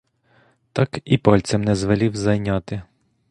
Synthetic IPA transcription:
t̪ɑkipɔlʲt͡s̪sʲɛmnɛzʋɐlʲiwzɐjnʲat̪ɪ

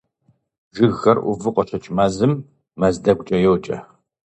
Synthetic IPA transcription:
ʒɪɣːɐrʔʷʊvɨqʷʼɔt͡ʃʰɐt͡ʃʼmaːzɨmː | ɐzdɐɡʷʊt͡ʃʼɐjɛwt͡ʃʼɐ

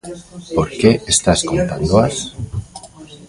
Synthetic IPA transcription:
poɾkeest̪askont̪and̪oas

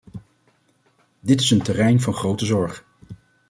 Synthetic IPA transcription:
dɪtɪsəntərɛjnvɑnχrowtəzɔɹχ

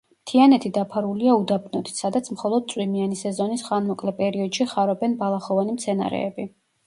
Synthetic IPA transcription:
mt̪ʰianɛt̪ʰid̪apʰaɾuliaud̪abnɔd̪it̪ʰsad̪at̪sʰmχɔlˠɔd̪̚tsʼwimianisɛzɔnisχanmɔkʼlɛpʼɛɾiɔd̪̥ʃiχaɾɔbɛnbalˠaχɔvanimt̪sʰɛna̰ɾɛ̰ːbi

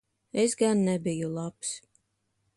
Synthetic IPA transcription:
esɡanːɛbijulˠaps

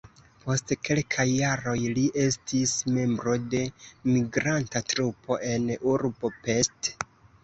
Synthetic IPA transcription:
po̞stke̞lkʰajːaɾo̞jliʔe̞stisme̞mbɾo̞de̞miɡɾantatɾupʰo̞ʔe̞nuɾbope̞st

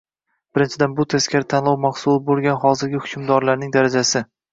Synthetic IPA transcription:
b̥ɪɾɪnt͡ʃʰɪd̪anbʊt̪ʰeskʲaɾt̪ʰanlˠɒwmaχsulˠɪbolˠɡʲanhɒzɪɾɡʲɪhʊ̥kʰʊmd̪ɒɾlaɾnɪŋd̪aɾad͡ʒasɪ

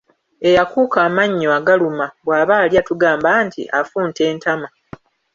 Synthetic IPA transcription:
e̞jakuːkaːmaɲːoaɡalumaβwaːβaːljatuɡaːmbaːntḭʔafuːnte̞ːntama

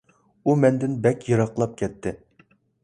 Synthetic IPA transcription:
umɛnd̪ɪnbɛkʲjɨɾɑqlˠɑp̚kʲʰɛt̪ʰːɪ

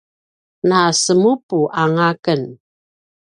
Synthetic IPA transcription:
nasəmupuʔaŋakən

